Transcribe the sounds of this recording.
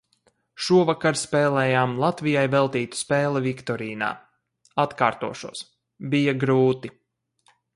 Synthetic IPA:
ʃuɔvakaɾspɛːlɛːjaːmlˠat̪vijajvɛlˠt̪iːt̪u̥spɛːlˠɛvikt̪ɔɾiːna̰ː | at̪kaːɾt̪uɔʃuɔs | bijaɡɾuːt̪i

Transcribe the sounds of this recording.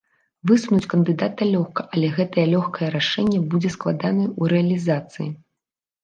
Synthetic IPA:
vɨsunut͡sʲkɐnd̪ɨd̪at̪̚ɐlʲɔxkɐʔɐlʲɛɣɛt̪ɐjɛlʲɔxkɐjɛɾaʂɛnʲːɛbud͡zʲɛsklˠad̪anɐjuɾɛɐlʲizat̪sɨjḭ

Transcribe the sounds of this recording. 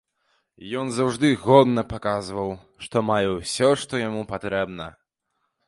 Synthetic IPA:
jɔnzawʐd̪ɨɣɔd̪nɐpakazvɐw | ʂt̪ɔmajɛwsʲɔʂt̪ɔjamupat̪ɾɛbnɐ

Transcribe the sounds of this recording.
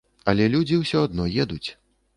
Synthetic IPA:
ɐlʲɛlʲud͡zʲiwsʲɔad̪nɔjɛd̪ut͡sʲ

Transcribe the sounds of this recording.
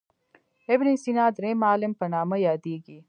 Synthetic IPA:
ebnisinaːd̪ɾẽmaːlempɐnaːmɐjaːd̪iːɡi

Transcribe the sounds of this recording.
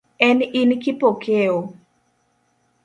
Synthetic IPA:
ɛninkɪpokeo

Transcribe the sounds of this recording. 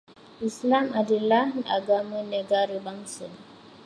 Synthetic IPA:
islamadilanaɡaməneɡaɾibaŋsən

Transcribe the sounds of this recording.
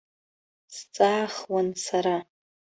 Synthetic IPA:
st͡sʼaːχwansaɾa

